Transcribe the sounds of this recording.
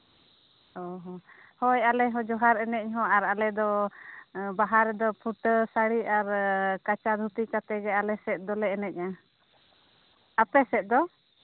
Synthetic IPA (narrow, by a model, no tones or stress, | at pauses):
ɔɦɔ | hɔjalɛɦɔ̃d͡ʒɔɦaɾɛnɛc̚ɦɔ̃aɾalɛd̪ɔ | baɦaɾɛd̪ɔpʰuʈsaɽiaɾkat͡ʃad̪ʱut̪ikat̪ɛɡɛalɛsɛt̪̚ˀd̪ɔlɛɛnɛc̚a | apɛsɛt̪̚d̪ɔ